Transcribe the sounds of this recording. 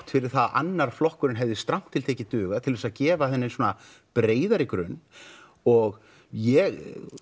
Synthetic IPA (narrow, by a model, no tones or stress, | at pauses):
t̪fɪɾɪɾ̥θaða̰nːaɾ̥flɔhkʏɾɪnɦɛvðɪst̪ɾam̥t̪ʰɪlt̪ʰeːjcɪt̪ʏːɣat̪ʰɪlvɛsaðcɛːvaθɛnːɪnsɔːna | pɾeːjðaɾɪkɾʏ̰nː | ɔɣ | jɛɣ